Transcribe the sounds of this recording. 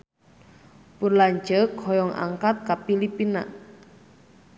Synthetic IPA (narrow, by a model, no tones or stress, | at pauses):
purlaɲt͡ʃəkʰɔjɔŋa̰ŋkat̪̚kapilipina̰